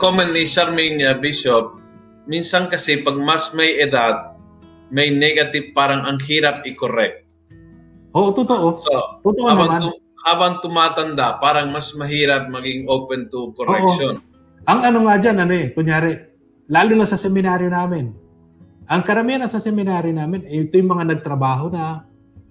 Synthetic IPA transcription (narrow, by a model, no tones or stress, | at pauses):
komɛnniʃaɾmɪŋɐbiʃop̚ | minsɐŋkɐsɛpɐɡ̚masmɐjɛd̪ad̪̚ | mɐjnɛɡɐt̪ɪv̚paːɾɐŋɐŋhiːɾap̚ʔɪkoɾɛk̚t̪ | ʔoːʔot̪ʊt̪oʔosot̪ʊt̪oʔonɐamanʊ | ʔaːbɐŋt̪ʊmaːt̪ɐnd̪apaːɾɐŋmɐsmɐɦiːɾɐp̚mɐɡɪŋʔopɛnt̪ʊkoɾʔoɛʔoʃon | ʔɐŋɐnoŋad͡ʒanʔɐnoɛkʊɲjaːɾɛ | laːlunɐsɐsɛmɪnaːɾjonaːmɪn | ʔɐŋkɐɾɐmianɐsɐsɛmɪnaːɾjonaːmɪnɛɪt̪ojʊŋmɐŋanɐɡ̚t̪ɾɐbaːɦonɐ